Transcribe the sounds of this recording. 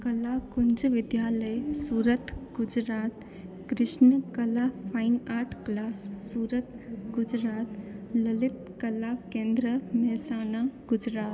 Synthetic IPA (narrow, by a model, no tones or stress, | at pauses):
kɐlakʊnd͡ʒʋɪd̪jaːləjsuːɾət̪ɡʊd͡ʒɾaːt̪ | kɾɪʃnəkɐlapʰaɪnaːʈklaːsːuːɾət̪ | ɡʊd͡ʒɾaːt̪ləlɪt̪kɐlakẽːnd̪ɾəmɛɦsaːnaɡ̥ʊd͡ʒɾaːt̪